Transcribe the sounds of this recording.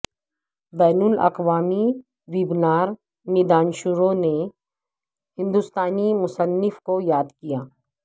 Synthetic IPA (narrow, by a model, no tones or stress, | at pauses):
bɛːnulɐ̰qʋaːmi | ʋibnaːɾ | mɪd̪aːnʃʊɾõne | ɦɪ̃nd̪ʊst̪aːnimʊsənːɪfkojaːd̪kijaː